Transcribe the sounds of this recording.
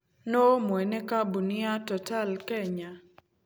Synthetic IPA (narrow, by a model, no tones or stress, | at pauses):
nomwɛnekabunɪatɔtalkɛɲa